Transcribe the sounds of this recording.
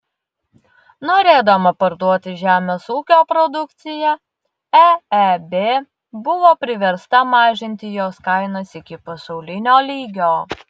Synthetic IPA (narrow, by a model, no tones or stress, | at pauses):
noːɾʲeːd̪oːmɐpɐɾd̪uɔt̪ʲɪʒʲæːmʲeːsuːkʲoːpɾɔd̪ʊkt̪sʲɪjɛ | æɛbʲeː | bʊʋoːpʲɾʲɪʋʲɛɾst̪ɐmɑːʒʲɪnʲt̪ʲɪjoːskɐɪnoːsɪkʲɪpɐsɒʊlʲɪnʲoːlʲiːɡʲoː